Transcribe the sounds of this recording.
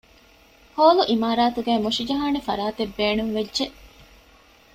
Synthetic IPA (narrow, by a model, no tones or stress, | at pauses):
hoːluʔimaːɾaːt̪uɡæːmoʃid͡ʒɐɦaːnefɐ̰ɾaːt̪ebːeːnuŋʋedʒeʔ